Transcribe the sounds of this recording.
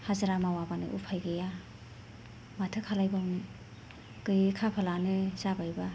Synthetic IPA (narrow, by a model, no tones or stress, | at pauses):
hazaɾamawabanɯ̰ʔupʰajɡɯja | matʰɯkʰalajba | kɯjkʰapʰalanɯzabajba